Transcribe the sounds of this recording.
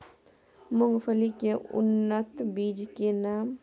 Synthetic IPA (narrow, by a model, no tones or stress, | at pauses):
mʊŋfəlikeʊ̰nːət̪bid͡ʒkenaːm